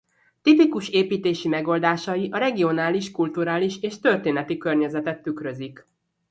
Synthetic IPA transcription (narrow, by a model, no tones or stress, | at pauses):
t̪ipikuʃeːpiːt̪eːʃimɛɡo̞ːld̪aːʃɒjiʔɒɾɛɡio̞naːliʃkult̪uɾaːliʃeːʃt̪ø̞rt̪eːnɛt̪ikørɲɛzɛt̪ɛt̪ːykɾø̞zik